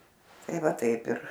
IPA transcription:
ˈtɐɪ ˈʋɐ ˈtɐɪp ɪr

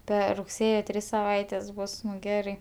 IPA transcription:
ˈpʲɛr rʊkˈsʲeːjoː ˈtʲrʲɪs sɐˈʋɐɪtʲɛs ˈbʊs ˈɡʲæːrɐɪ

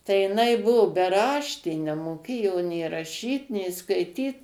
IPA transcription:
tɐɪ jɪˈnɐɪ ˈbʊʋʊ bʲɛˈrɑːʃʲtʲeː nʲɛmoːˈkʲeːjoː nʲeː rɐˈʃʲiːt nʲeː skɐɪˈtʲiːt

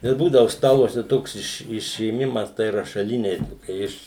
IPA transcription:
ɪr ˈbuːdɐʋʊ ˈstɑːlˠuɔsʲɛ ˈtoːks ɪʃ ɪʃʲeːˈmʲɪmɐs tɐɪ rɐʃɐˈlʲɪnʲɛɪ ˈtoːkʲɛ ɪʃ

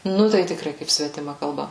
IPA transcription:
ˈnʊ tɐɪ tʲɪkˈrɐɪ kɐɪp sʲʋʲɛtʲɪˈmɐ kɐlˠˈbɐ

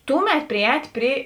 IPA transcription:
ˈtʊˌmʲɛt pʲrʲɪˈɛːtʲ ˈpʲrʲɪ

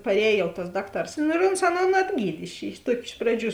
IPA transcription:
pɐrʲˈɛːj jɛʊ tɐs ˈdɑːkˌtɐrs ˈnʊ ɪr oːns ˈɑːˌnoːn ɐdʲˈɡʲiːtʲ ɪʃ ɪʃ ˈtuɔkʲɪ ˈɪʃ prɐˌd͡ʒʲuː

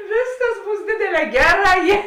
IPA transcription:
ˈʋʲeːsˌkɐs ˈbuːs ˈdʲeːdʲeːˌlʲɛː ˈɡʲæːˌrɑː ˈjeː

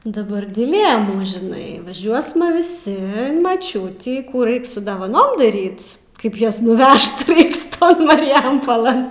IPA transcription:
dɐˈbɐr dʲɪˈlʲeːmuː ʒʲɪˈnɐɪ ʋɐˈʒʲuɔsmɐ ʋʲɪˈsʲɪ ɪn mɐˈt͡ʃʲʊtʲiː ˈkuː ˈrɐɪk ˈsʊ dɐʋɐˈnoːm dɐˈrʲiːt ˈkɐɪp ˈjuɔs nʊˈʋʲɛʃt ˈrɐɪks ˈtoːn mɐrʲɪˈjɛmpoːlˠɘn

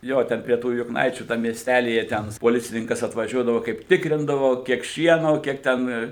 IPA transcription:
ˈjoː ˈtʲɛn pʲrʲiɛ ˈtuː jʊkˈnɐɪt͡ʃʲuː ˈtɐm mʲiɛsʲˈtʲælʲiːjɛ ˈtʲɛn poːˈlʲɪt͡sʲɪnʲɪŋkɐs ɐtʋɐˈʒʲuɔdɐʋoː ˈkɐɪp ˈtʲɪkrʲɪndɐʋoː ˈkʲiɛk ˈʃʲiɛnoː ˈkʲiɛk tʲɛn

